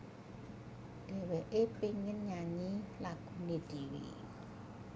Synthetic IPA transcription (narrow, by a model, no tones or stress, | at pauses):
d̥ɛ̤weʔepiŋɪnɲaɲilaɡ̥ṳned̥iwḭ